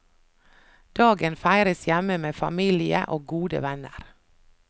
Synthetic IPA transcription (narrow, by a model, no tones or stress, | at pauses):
d̪̥ɑːɡənfæɪɾəsjæməmeːfɑ̰miːlɪə̰ʔoːɡuːd̪ə̰ʋænəɾ